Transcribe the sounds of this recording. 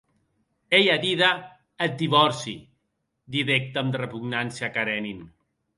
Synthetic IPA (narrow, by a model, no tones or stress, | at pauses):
ejaðiðaː | t̪̚d̪iβɔɾsḭ | d̪iðɛk̚t̪amd̪rəpuɡnansiakaɾɛnin